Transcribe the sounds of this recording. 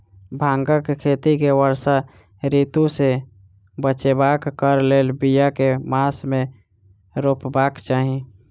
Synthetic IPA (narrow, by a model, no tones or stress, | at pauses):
bʱãːŋɡəkkʰeːt̪ikewəɾsa | ɾiːt̪ũse | bət͡ʃebaːkkəɾleːlbijakemaːsmẽ | ɾoːpbaːkt͡ʃaːɦi